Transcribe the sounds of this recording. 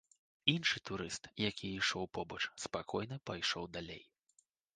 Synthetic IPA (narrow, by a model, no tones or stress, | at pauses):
inʂɨt̪uɾɨst̪jakʲʰiiʂɔwpɔbɐt͡ʂspakʰɔjnɐpajʂɔwd̪alʲḛj